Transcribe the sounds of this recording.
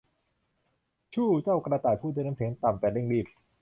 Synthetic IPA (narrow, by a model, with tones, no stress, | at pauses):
t͡ɕʰuː˥˩t͡ɕaː˥˩wkɾaː˧t̪aː˨˩pʰuː˥˩aː˥˩˨na˦˥sʰeː˩˦nt̪a˨˩mpɛː˨˩le˥˩ŋliː˥˩p̚